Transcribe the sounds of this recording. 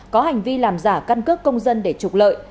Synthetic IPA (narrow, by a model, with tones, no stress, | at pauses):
kɔ˨˦ɦa˨˩jŋ̟vi˧laː˨˩mzaː˧˩ka˧nkɨ˦˥ək̚ːə˧wŋ͡mzə˧nɗe˧˩t͡ɕʊ˨˩k͡p̚lə̰ː˧˨j